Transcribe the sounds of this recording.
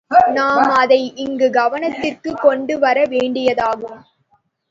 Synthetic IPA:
naːmmɐðɐɪʔɪŋɡɯɡɐʋɐnɐt̪ːɪrkɯkːɔɳɖɯʋɐɾɐʋeːɳɖɪjɐðaːɣɯm

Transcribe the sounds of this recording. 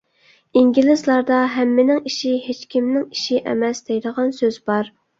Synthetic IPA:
iŋɡʲilˠɪzlˠɑɾd̪ɑɦɛmːɪnɪŋiʃiɦet͡ʃkʲʰimnɪŋiʃiʔɛ̰mɛsd̪ejd̪əʁɑnsøz̥bɑɾ

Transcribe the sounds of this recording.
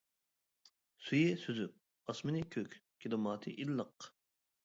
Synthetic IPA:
sujɪsyzyp̚ | ɑsmɨnɪkʲʰøkʲkʲʰid̪ɨmɑːt̪ʰɨʔilːəq

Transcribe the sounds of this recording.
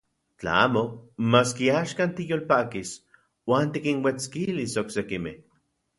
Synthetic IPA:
t͡ɬa̰a̰ːmomaːskiaʃkant̪ijoːlpakis | waːnt̪ikinwet͡skilisoksekimḛh

